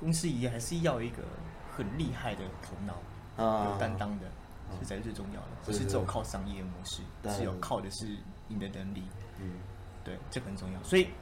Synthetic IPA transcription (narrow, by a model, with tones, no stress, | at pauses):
kʊ˥ŋsɹ̩˥i˨˩jɛ˥˩xa˧˥ɪʂɻ̩˥˧jɑ˥˧ʊi˧˥ɡə̰˧ | xə˨˩nli˥˧xa˥˩ɪd̪ə˩t̪ʰo˧˥ʊnɑ˨˧˥ʊ | jo˨˩t̪a˦nt̪ɑ˥ŋd̪ə˨˥˩ | a˧˥ɪ˥t͡swe˥˧ɪʈ͡ʂʊ˥˧ŋjɑ̰˥˩ʊd̪ə˩t͡ɕu˧˥ɻ̩˥˧ɻ̩˥˩jo˨˩ʊkʰɑ˥˩ʊʂɑ˥ŋjɛ˥˩ə˨˩kʊ˥ŋsɻ̩˥˧˩ʂɻ̩˥˩jo˨˩ʊkʰɑ˥˩ʊd̪ə˩ʂɻ̩˥˩ | ni˨˩d̪ə˦nə˧˥ŋli˨˩˦ | t̪we˥˩ɪʈ͡ʂɤ˥˩xə˨˩nʈ͡ʂʊ˥˧ŋjɑ˥˩ʊswɔ˧˥i˨˩